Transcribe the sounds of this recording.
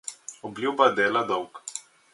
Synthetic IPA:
ɔblʲjubad̪ɛːlad̪ɔwk

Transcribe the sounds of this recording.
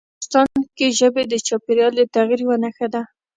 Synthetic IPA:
st̪ɑnkeʒəbed̪ət͡ʃɑpeɾjɑld̪ət̪aɣiɾwənaxad̪a

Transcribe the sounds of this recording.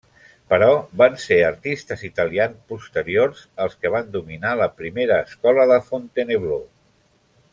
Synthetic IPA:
pəɾɔβanseəɾt̪ist̪əzit̪əlianspust̪əɾiorzəlˠskəβ̞and̪uminaləpɾimeɾəːskɔləðəfont̪eneβlo

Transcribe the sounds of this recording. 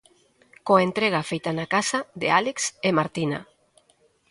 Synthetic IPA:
koent̪ɾeɣ̞afejt̪anakasaðḛaleksemaɾt̪ina̰

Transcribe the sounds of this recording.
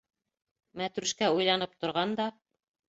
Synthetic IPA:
mæt̪ɾʉ̆ʃkæujlˠɑnɤp̚t̪ŏɾʁɑnd̪ɑ

